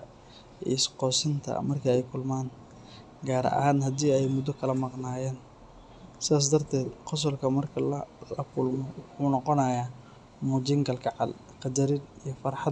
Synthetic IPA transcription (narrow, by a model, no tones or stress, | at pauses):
ɛ̰sqɔːsɪnt̪ʰɐ̰mɐrkʰɐɛjkʰʊlmaːn | ɡaːɾɐ̰ʔɐ̰haːnɦɐd̪iːɛjmʊd̪ɔkʰɐlɐmɑqnaːjɛːn | sɪaːs̬d̪ɐrt̪ʰɛːd̪qɔs̬ɔlkʰɐmɐrkʰɐlɐlɐkʰʊlmɔwʊħuːnɑqɔnajaː | muːd͡ʒɪŋɡɐlkʰɑʕɑ̰l | qɑd̪ɐɾɪd̪ijɔfɐrħɑ